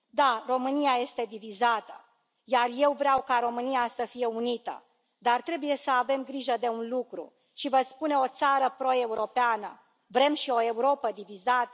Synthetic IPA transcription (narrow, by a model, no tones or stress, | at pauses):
d̪aro̞mɨnijaje̞st̪e̞d̪ivizat̪ə̰ | jarje̞wvɾeawkaɾo̞mɨnijasəfije̞unit̪ə̰ | d̪art̪ɾe̞buje̞səave̞mɡɾiʒəd̪e̞unlukɾṵ | ʃivəspune̞o̞t̪saɾəpɾo̞e̞uɾo̞peanə | vɾe̞mʃio̞e̞uɾo̞pəd̪ivizat̪ə